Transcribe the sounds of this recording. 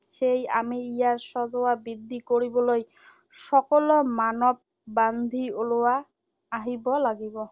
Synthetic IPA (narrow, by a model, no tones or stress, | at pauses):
ʃeja̰miijaɹsɔzɔwabid̪ːikoɹibɔloj | ʃɔkɔlɔmanɔb̚ | band̪ʱiolowaː | ɦibɔlaɡibɔ